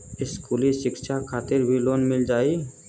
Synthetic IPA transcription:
ɪskuːliʃɪkʃʰakʰaːt̪ɪɾbʱiloːnmɪld͡ʒaːi

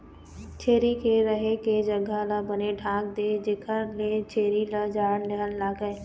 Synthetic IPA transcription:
t͡ʃʰeːɾikʰeɾəɦeked͡ʒɐɡʱalabəneɖʰʱãːɡ̚d̪eːd͡ʒeːkʰəlet͡ʃʰeːɾilad͡ʒaːnleɦənlaːɡəe

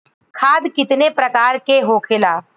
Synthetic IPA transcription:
kʰaːd̪kɪt̪nepɾɐkaːɾkeɦoːkʰelaː

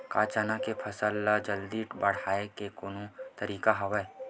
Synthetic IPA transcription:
kaːt͡ʃanakepʰɐsəlːad͡ʒəld̪iːʈbɐɽ̤aːekekonõt̪ɐɾiːkaɦɐwə

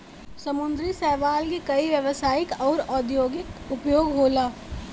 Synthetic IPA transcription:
səmʊ̃nd̪ɾisɛːʋaːlkikɐiʋjəʋəsaːɪkɔːɾɔːd̪ʱjoːɡɪkʊpjoːɡɦoːlaː

